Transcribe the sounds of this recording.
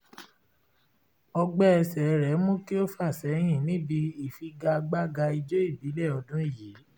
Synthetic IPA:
ɔ˧ɡ͡bɛ˦ɛ˧sɛ˨˦ɾɛ˨˦mũ˦ki˦o˦fa˦˨sɛ˨˦ɦĩ˦˨nĩ˦bi˧i˨fi˧ɡa˧ɡ͡ba˦ɡa˧i˧d͡ʒo˦i˦˨bi˨˦lɛ˦˨ɔ˧dũ˦i˦˨ji˨˦

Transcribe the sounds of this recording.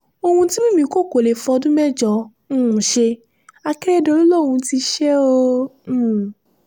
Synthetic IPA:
o˧hũ˧ti˦mĩ˦mĩ˧ko˦ko˨le˨fɔ˧dũ˦mɛ˦d͡ʒɔ̃˨˦˨ | ʃe˧ | a˧kɛ˦ɛ˦do˧ɾi˦lo˦˨ũ˧ti˧ʃɛ˦õ˦˧˦

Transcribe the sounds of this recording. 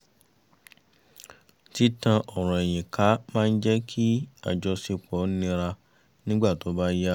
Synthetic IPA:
ti˦tã˧ʔɔ˨ɾ̃ɔ̃˨e˨j̃ĩ˨ka˨˦mãː˦n̩˦d͡ʒɛ˦kʰi˦a̰˦˨d͡ʒɔ˧si˧k͡pɔ˨˦nĩ˧ɾa˧ | nĩ˦ɡ͡ba˦˨to˨˦ba˦ja˦

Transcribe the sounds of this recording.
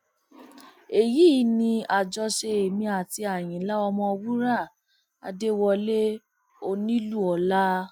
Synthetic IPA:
e˨ji˦nĩ˧a˨d͡ʒɔ˧ʃe˧e˨mĩ˧a˨ti˧a˨j̃ĩ˨˦la˦ɔ˧mɔ̃˧wu˦ɾa˦˨ | a̰˧de˦wɔ˧le˦ | o˧nĩ˦lu˦˨ɔ˨˦la˦

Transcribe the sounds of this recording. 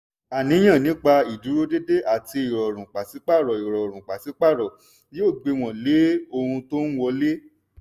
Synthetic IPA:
a˨nĩ˨˦j̃ã˦˨nĩ˨˦k͡pa˧i˨du˨˦ɾo˦de˦de˦ʔa˨ti˧i˨ɾɔ˨ɾ̃ũ˨k͡pa˨si˨˦k͡pa˦˨ɾɔ˨i˨ɾɔ˨ɾ̃ũ˨k͡pa˨si˨˦k͡pa˦˨ɾɔ˨ | jo˦˨ɡ͡be˧w̃ɔ̃˨le˨˦o˧hũ˧to˦n̩˦wɔ˧le˦

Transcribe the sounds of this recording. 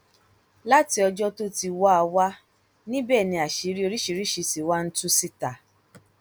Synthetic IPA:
la˦ti˧ɔ˧d͡ʒɔ˦to˦ti˧wa˦a˧wa˦ | nĩ˦bɛː˦˨nĩ˧˦a˨ʃi˨˦ɾi˦o˧ɾi˦ʃi˨˧ɾi˦ʃi˧si˨wa˦n̩˦tũ˦si˦ta˨

